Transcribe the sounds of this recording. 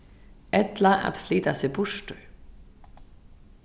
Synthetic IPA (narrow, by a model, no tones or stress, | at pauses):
ɛt̪laʔa̰ðfliːt̪asɪpʊʂt̪ʏ